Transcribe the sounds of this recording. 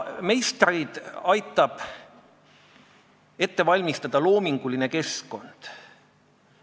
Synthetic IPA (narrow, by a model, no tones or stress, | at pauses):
me̞jst̪rid̪̥ɑjt̪ːˑɑb̥ | e̞t̪ːe̞vɑlʲmist̪ɑd̪̥ɑlo̞ːmiŋɡ̥uline̞ke̞sko̞nd̪̥